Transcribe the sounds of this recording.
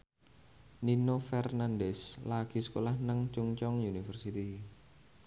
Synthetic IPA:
ninofɛrnandɛslaɡ̥i̤sə̥kolahnəŋt͡ʃuŋt͡ʃɔŋjunifərsit̪i

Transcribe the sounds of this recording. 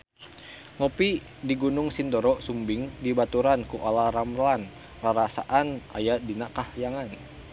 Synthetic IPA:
ŋɔpi | diɡunʊŋsindɔɾɔsumbɪŋdibat̪uɾankuʔalaɾamlan | raɾasaʔana̰jadinakahjaŋan

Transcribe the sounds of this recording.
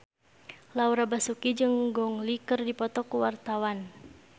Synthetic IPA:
lauɾabasukid͡ʒɨŋɡɔŋlikɨrdipɔt̪ɔkuwart̪awan

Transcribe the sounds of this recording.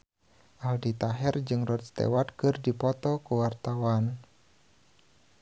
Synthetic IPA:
ʔaldit̪aɦɛrd͡ʒɨŋrɔt̪̚st̪ḛwat̪̚kɨrdipɔt̪ɔkuwart̪awan

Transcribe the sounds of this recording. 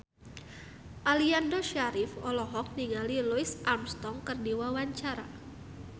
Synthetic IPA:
ʔaliandoʃaɾɪfɔlɔɦɔk̚niŋaliluisʔamst̪ɔŋkərdiwawaɲt͡ʃaɾa

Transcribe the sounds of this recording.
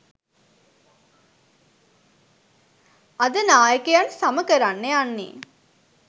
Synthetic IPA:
ad̪ənaːjəkəjansaməkəɾanːeanːḛː

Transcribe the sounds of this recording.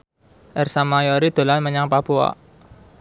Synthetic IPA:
ʔərsamajɔɾid̪̥o̤lanməɲaŋpapua̰

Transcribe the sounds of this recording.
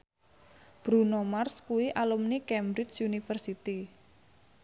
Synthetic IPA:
b̥ɾunomarskuwiʔalumnikɛmbɾɪt͡ʃunifərsit̪i

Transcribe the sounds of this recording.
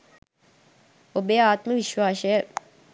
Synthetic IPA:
obeaːt̪məʋiʃʋaːʃəjə

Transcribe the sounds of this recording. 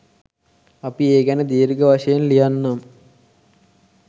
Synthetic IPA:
ɐpieːɡænəd̪eːɾiɡəʋaʂɐjenlijanːam

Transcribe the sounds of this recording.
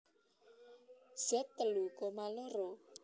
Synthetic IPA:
z̥ɛt̪ːəlukɔmaloɾo

